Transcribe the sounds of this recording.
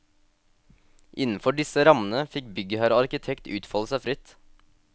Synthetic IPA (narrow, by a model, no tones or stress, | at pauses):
ʔɪnn̩fɔɖɪsəɾɑmən̩əfɪk̚bʏɡəhæɾəɑɾkɪt̪ʰɛkt̪ʉ̰ːt̪fɔləsæfɾɪt̪